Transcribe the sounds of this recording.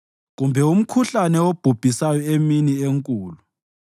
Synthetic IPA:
ɣumbʱɛum̩kʰuɬanɛob̥ʱub̥ʱisajɔeminieŋkʼuːlu

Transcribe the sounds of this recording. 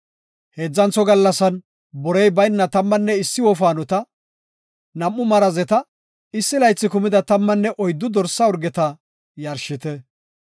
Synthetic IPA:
heːd͡zːɐnt͡sːɔɡɐlːɐsɐn | bɔɾɛjbɐjnːɐt̪ɐmːɐnːɛɪsːɪwɔfaːnɔt̪ɐ | nɐmːʊmɐɾɐzɛt̪ɐ | ɪsːɪlɐjt͡sːɪkʊmɪd̪ɐt̪ɐmːɐnːɛʔɔjd̪ːʊd̪ɔɾsɐɔɾɡɛt̪ɐ | jɐɾʃɪt̪ɛ

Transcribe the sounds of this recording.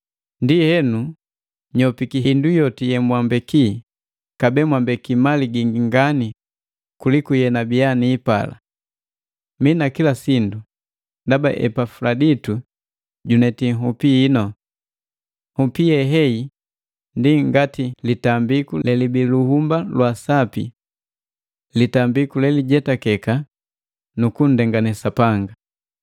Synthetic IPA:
ndihɛnu | ɲɔpikiindujɔtijɛmwambɛki | kabɛmwambɛkimaliɡiŋɡiŋɡani | kulikujɛnabianiːpa̰la̰ | minakilasindu | ndaba̰ʔɛ̰pafuladitu | ɟunɛtiŋɦupiːnɔ | hupiɛɦɛi | ndiŋɡatilitambikulɛlibiluhumbalwasapḭ | litambikulɛliɟɛtakɛka | nukun̩dɛŋɡanɛsapaŋɡa

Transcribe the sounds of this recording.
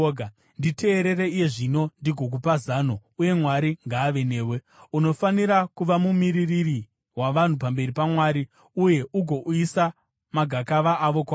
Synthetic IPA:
ndite̞ːɾe̞ɾe̞ije̞ʐino̞ndiɡʱo̞k̬upazaːno̞uje̞mwaɾiŋɡaːʋe̞ne̞ːwe̞ | uno̞faniɾakuʋamumiɾiriri | waʋan̤upambe̞ɾipamwaːɾi | uje̞ʔuɡʱo̞ʔuisa | maɡʱakaʋaʔːʋo̞kwaː

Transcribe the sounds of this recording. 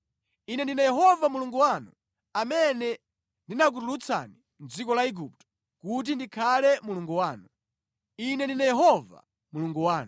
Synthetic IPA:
inɛndinajɛɦɔvamuluŋɡuwanṵ | amɛnɛ | ndinak̬utulut͡sʰa̰ni | nd͡zikɔlaiɡup̚tɔ̥ | kut̬indikʰalɛmuluŋɡuwaːnu | inɛndinajɛɦɔva̰ | muluŋɡuwaːnu

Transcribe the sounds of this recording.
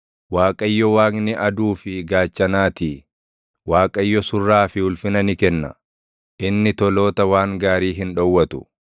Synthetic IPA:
waːkʼɐjːɔwaːɡnɪʔɐd̪uːfɪɡaːt͡ʃːɐnaːt̪iː | waːkʼɐjːɔsʊrːaːfɪhʊlfɪnɐnɪkɛnːɐ̰ | ʔɪnːɪt̪ɔlo̞ːt̪ɐwaːŋɡaːɾiːɦɪnᶑɔwːɐt̪ʊ̥

